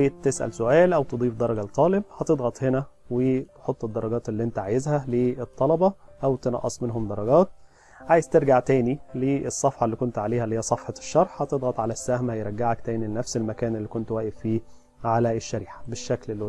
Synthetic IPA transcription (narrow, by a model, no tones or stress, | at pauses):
eːt̪ːesʔæ̰lsoʔæːlʔæwt̪ed̪ˤiːfd̪ˤɑɾˤɑɡælt̪ˤːɑːleb̚hɑt̪ed̪ˤɣɑt̪ˤhenæwet̪ħot̪ˤːed̪ːɑɾˤɑɡɑːt̪elːiːʔent̪æʕajezhæleet̪ˤːɑlɑbɑʔæwt̪enɑ̰ʔːɑsˤmenɦomd̪ɑɾˤːɑɡɑːt̪̚ | ʕaːjezt̪eɾɡaʕt̪æːnileːsˤːɑfħɑlːiːkont̪ʕaleːhælːɪhejːæsˤɑfħɑʃːɑɾˤħhɑt̪ed̪ˤɣɑt̪ˤʕalæsːæhmæhjeɾˤɑɡːaʕækt̪æːnilenæfselmækæːnelːiːkont̪wæːʔeffiː | ʕalæeʃːæɾiːħḁbeʃːæklelː